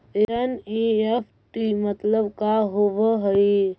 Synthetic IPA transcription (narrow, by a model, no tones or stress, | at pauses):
əniepʰ | ʈimət̪ləbkaɦoʋəɦəi